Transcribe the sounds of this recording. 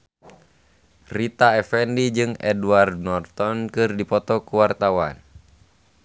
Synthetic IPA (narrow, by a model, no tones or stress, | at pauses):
rit̪aɛfɛndid͡ʒɨŋɛ̰duard̪̚nɔrt̪ɔnkɨrdipɔt̪ɔkuwart̪awa̰n